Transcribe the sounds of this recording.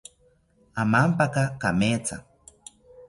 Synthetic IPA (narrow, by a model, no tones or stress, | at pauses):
amampakakamet͡sa̰